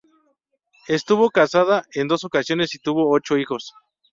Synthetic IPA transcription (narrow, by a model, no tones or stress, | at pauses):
est̪uβokasaðaʔend̪o̞sokasjo̞nesit̪uβoot͡ʃoixo̞s